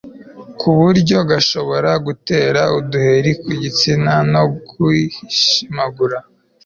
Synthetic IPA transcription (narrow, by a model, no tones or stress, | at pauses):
kʰuβuɾɟo̞ɡaʃo̞βo̞ɾaɡute̞ːɾauduhe̞ɾikuɟit͡sinano̞kuihiʃimaɡuɾa